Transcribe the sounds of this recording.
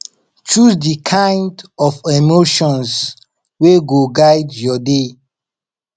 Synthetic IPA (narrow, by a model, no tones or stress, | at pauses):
t͡ʃudikʰãjndɔfemoʃɔ̃ns | weɡoɡajdjɔde